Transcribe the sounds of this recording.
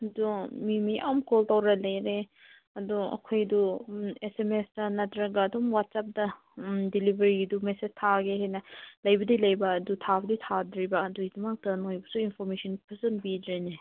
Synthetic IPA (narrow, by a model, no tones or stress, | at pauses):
ɐdumimiʔamkoltɐwɾɐlɐjɾe | ɐduɐ̰kʰojduesemesdɐnɐtɾɐɡɐːdumwat̚sap̚dɐ | dilibeɾiɡdumesed͡ʒtʰaɡehajnɐlɐjbɐdilɐjbɐːdutʰabɐditʰadɾibɐːduidumɐk̚tɐnojbɐsuinpʰoɾmesʰɔnpʰɐsɐnbidɾene